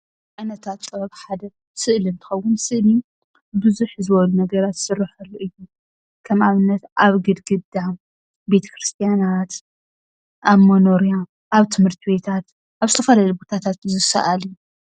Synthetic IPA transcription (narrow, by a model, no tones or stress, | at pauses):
ʕajnɐt̪ʰat̪sʼɐβɐkħad̪ɐ | sɨʔlɨnt̪ʰɨ̥xɐwːʊnsɨʔli | bɨzuħzɨβɐlunɐɡɐɾat̪sɨɾːɨħɨɾiʔɨjːu | kʰɐmaβɨnːɐt̪ʔaβɡɨd̪ɡɨd̪a | be̞t̪ʰɐ̥kɾɨst̪ʰijanat̪ | ʔaβmɐnoɾija | ʔaβt̪ʰɨmhɨɾt̪ʰibe̞t̪ʰat̪ | ʔaβzɨt̪ʰɐfɐlalubo̞t̪ʰat̪ʰat̪zɨsɐ̰ʔali